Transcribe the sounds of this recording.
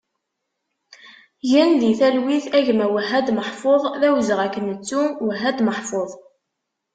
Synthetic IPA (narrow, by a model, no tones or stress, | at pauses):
ʝænd̪iθælwiθæʝmæwəɦːæd̪məħfoðˤðæwzəʁækːənət͡sːuwəɦːæd̪məħfoðˤ